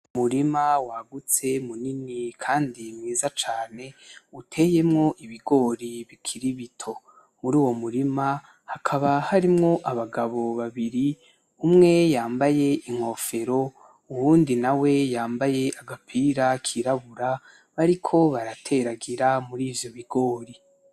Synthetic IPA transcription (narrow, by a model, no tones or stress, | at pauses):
umuɾimawaɡut͡se̞muninikʰaːndimŋiːzat͡ʃaːne̞utʰe̞ːje̞mŋo̞ʔiβiɡo̞ːɾiβikʰiɾiβitʰo̞ | muɾuːwo̞muɾima | hakʰaβahaɾimŋo̞ʔaβaɡaβo̞βaβiɾi | umŋe̞jaːmbaje̞iŋ̥ho̞fe̞ɾo̞ | uβuːndinawe̞jaːmbaje̞aɡapʰiɾakʰiɾaβuɾa | βaɾikʰo̞βaɾatʰe̞ɾaɡiɾamuɾiːvjo̞βiɡ̥o̞ːɾi